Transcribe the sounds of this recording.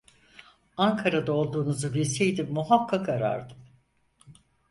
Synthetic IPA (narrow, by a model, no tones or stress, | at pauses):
aŋkʰaɾad̪ao̞lˠd̪uːnuzubilʲse̞jd̪imːuɦakʰːakaɾa̰ɾd̪ɯm